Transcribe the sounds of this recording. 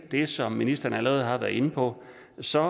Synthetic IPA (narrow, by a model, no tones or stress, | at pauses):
d̥e̝sɒ̽mːinisd̥ɐn̩æləʁɛːð̞̩ˠhɑ̈ʋæɐð̩ˠe̝nəpʰɒ̽ | sɒ̽